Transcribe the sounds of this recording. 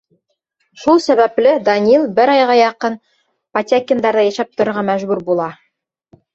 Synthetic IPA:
ʃulˠsæβæplɘd̪ɐnʲilˠbɘɾɑjʁɑjɑqɤn | pɐt̪ʲakʲɪnd̪ɑɾðɑjæʃæp̚t̪ŏɾŏɾʁɑmæʒbʉɾbulˠɑ

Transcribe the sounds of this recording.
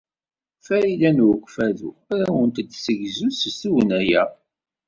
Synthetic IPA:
fæɾilænwəkʷːfæðṵæɾæwənt̪əd̪səʝzusəsuwənæjæ

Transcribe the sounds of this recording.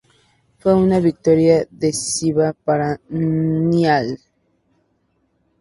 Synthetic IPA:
fweunaβik̚t̪oɾjaðesiβapaɾa | njal

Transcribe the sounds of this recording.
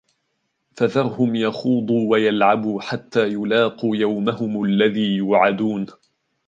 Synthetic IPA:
faðɑɾˤhʊmjɑxuːd̪ˤuːwajalʕabuːħat̪ːaːjʊlɑːquːjawmahʊmalːaðiːjʊːʕad̪uːn

